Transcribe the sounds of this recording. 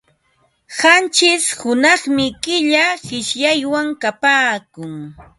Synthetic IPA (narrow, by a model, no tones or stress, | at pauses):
hant͡ʃɪshʊnɑχmɪkɪʎaɢɪʃjajwaŋkapaːkʊŋ